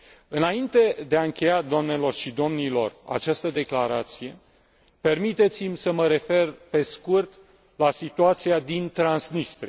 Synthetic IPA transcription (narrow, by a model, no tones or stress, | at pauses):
ɨnaint̪e̞d̪e̞aɨŋkʲe̞jad̪oamne̞lo̞rʃid̪o̞mnilo̞ra̰t͡ʃast̪əd̪e̞klaɾat̪sije̞ | pe̞rmit̪e̞t̪simʲsəməɾe̞fe̞rpe̞skurt̪ | lasit̪uat̪siad̪int̪ɾansnist̪ɾi